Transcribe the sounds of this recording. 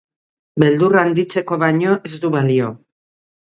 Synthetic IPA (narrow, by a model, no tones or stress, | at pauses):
be̞ld̪uraːnd̪it͡se̞ko̞βaɲo̞ʔe̞zd̪uβalio̞